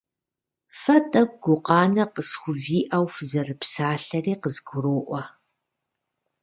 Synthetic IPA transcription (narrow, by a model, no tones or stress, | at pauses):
fɐtʼɐɡ̚ʷɡʷʊqɑːnɐqəsχʷʊviːʔɐwfzɐrɨpsaːɬɐriːqəzɡʷʊɾoːʔʷɔ